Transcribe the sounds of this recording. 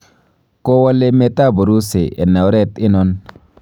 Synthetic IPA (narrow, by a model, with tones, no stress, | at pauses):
ko˦wa˦le˦me˦ta˦˨bu˨ɾu˦se˨e˨na˨wɾɛ˦tɪ˦nɔ˦n